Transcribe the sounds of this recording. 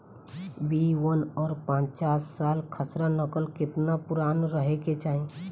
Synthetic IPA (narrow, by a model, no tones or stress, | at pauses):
biwənɔːɾpãt͡ʃt͡ʃaːsːaːlkʰəsɾanəkəlkɪt̪napʊɾaːnɾəɦeket͡ʃaːɦẽ